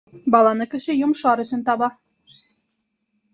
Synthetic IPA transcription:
bɑlˠɑnɤkɘ̆ʃɘjŏmʃɑɾɵ̆sɵ̆nt̪ɑβɑ

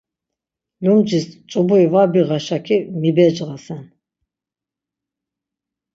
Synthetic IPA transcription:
lumd͡ʒist͡ʃʼubuivabiʁaʃakʰimibɛd͡ʒʁasɛn

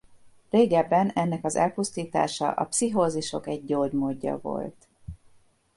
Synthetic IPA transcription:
reːɡɛbːɛnɛnːɛkɒzɛlpust̪iːt̪a̰ːʃɒ̰ʔɒ̰psiɦoːzuʃo̞kɛɟ̚ːoːɟmoːɟːɒ̰vo̞̰lt̪

